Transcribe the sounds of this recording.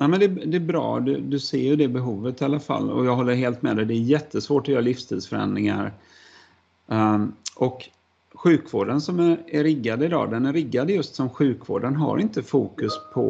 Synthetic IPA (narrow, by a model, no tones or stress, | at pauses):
nɛmɛnd̪ɛd̪ɛːbɾɑ̰ːd̪ɵd̪ɵseːɾjɵd̪ɛbɛɦuːvət̪ɪalafa̰lːɔ̰jɑːɡɦɔlːəɾɦeːlt̪mɛd̪ɛd̪ɛːjɛt̪ʰːəsvoːʈɔjœːɾalɪfst̪ʰiːd̪sfœɾɛ̰nd̪ɾɪŋa̰ɾ | ʔɔk | ɧʉ̟ːkvoːɖənsɔmæɾæɾɪɡːad̪əɪd̪ɑ̰ːd̪ɛnæɾːɪɡːad̪əjɵst̪sɔmɧʉ̟ːkvo̰ːɖənɦa̰ɾɪnt̪əfuːkɵspʰɔ̰